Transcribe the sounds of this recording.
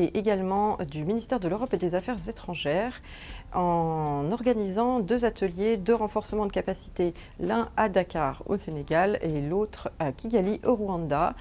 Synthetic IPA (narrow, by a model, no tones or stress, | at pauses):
eʔeɡalmɑ̃d̪yminist̪ɛʁd̪əløʁɔped̪ezafɛʁzet̪χɑ̃ʒɛʁ | ɑ̃nɔʁɡanizɑ̃d̪øzat̪əljed̪øʁɑ̃fɔʁsəmɑ̃d̪əkapasi̥t̪e | lɛ̃ad̪akaʁo̰seneɡalelot̪χakʲiɡʲaliʔoʁwɑ̃d̪a